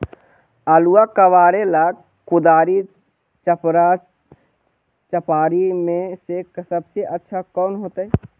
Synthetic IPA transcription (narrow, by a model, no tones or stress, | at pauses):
aːluakəʋaːɾelaɡ | kʊd̪aːɾi | t͡ʃəpɾa | t͡ʃəpaːɾimẽseksəbseʔətːʃʰakɔːnɦoːt̪aɛ